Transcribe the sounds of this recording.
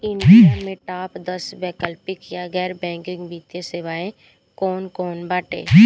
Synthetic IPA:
ɪniənmẽʈaːpd̪ɐsbɛːkəlpɪkjaɣɛːɾbɛ̃ːŋkɪ̃ŋɡbiːt̪jeseʋaːẽ | kɔːnkɔːnbaːʈḛː

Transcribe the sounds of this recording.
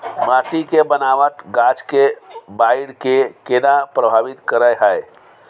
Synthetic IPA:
maʈikebənaʋət̪ɡat͡ʃkebaɪɽkekenapɾəbʱaːʋit̪kəɾəjɦəe

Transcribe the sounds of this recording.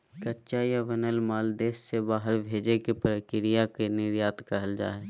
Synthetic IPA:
kətːt͡ʃajaʋənəlmaːld̪eːʃsebaːɦəɾbʱeːd͡ʒekipɾəkɪɾɪjakenɪɾjaːt̪kɐɦəld͡ʒa̰ːɦɛː

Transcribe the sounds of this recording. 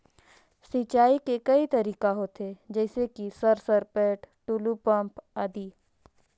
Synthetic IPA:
sit͡ʃaːikekɐit̪ɐɾiːkaɦoːt̪ed͡ʒɛːsekisɐɾsɐɾpɛːʈʈuːlupə̃mpad̪iː

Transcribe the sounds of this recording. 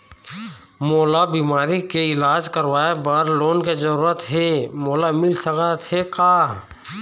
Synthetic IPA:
moːlabiːmaːɾikeɪlaːd͡ʒkəɾwaːebaɾloːnkezəɾuːɾət̪ɦemoːlamɪlsəkat̪hekaː

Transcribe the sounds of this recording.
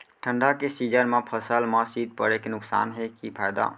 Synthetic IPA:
ʈʰəɳɖakesid͡ʒəɾmãpʰəsəlmasit̪̚pə̰ɽekenʊksa̰nɦekipʰajd̪a̰

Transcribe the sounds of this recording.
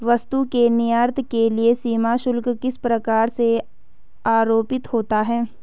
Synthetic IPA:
ʋɐst̪ukenijaːɾt̪ʰkeliesiːmaʃʊlkkɪspɾɐkaːɾse | aːɾoːpɪt̪hoːt̪aɦɛː

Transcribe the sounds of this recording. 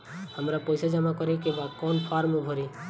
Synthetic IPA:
hamɾapɔjsad͡ʒamakɔɾikẽbakɔnpʰaɾmebʱɔɾi

